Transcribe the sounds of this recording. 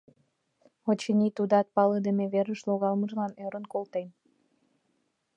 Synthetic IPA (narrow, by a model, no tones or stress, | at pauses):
ot͡ɕinʲit̪ud̪ɑt̪̚pɑləd̪əmeβeɾəʃloɣɑlməʒlɑnøɾənkolt̪en